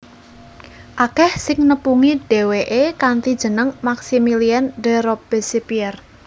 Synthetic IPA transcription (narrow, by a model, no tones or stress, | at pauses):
ʔakɛhsɪŋnəpuŋiɖ̥e̤weʔekant̪id̥ʒ̥ə̤nəŋmaksimiliɛnɖɛ̤ɾɔpb̥esepiɛr